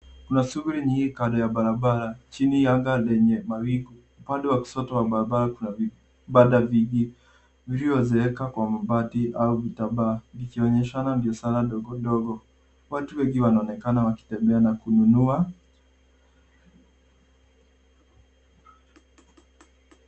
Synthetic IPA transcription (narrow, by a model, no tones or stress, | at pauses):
kunasuɡuɾiɲiŋɡikaɗɔjaɓaɾaɓaɾat͡ʃinijaŋɡalɛɲɛmawiɡu | upaɗɛwaki̥sɔtɔwaɓaɾaɓaɾakunavi | ɓaɗaviɡi | vilivɔzɛɛkakwamabatiauvitaɓaːnikiɔɲɛʃanandiɔsanaɗɔɡɔɗɔɡɔ | watuwɛŋɡiwanaɔnɛkanawaki̥tɛmbɛanakununua